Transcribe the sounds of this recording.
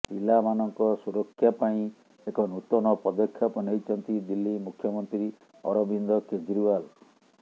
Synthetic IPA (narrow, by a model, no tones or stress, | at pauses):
ilamanɔŋkɔsuɾɔkʰːjapaĩ | ekɔnut̪ɔnɔpɾɔd̪ɔkʰːjapɔnejt͡ʃʰɔnt̪id̪ilːimukʰːjɔmɔnt̪ɾi | ɔ̰ɾɔbind̪ɔked͡ʒɾiwal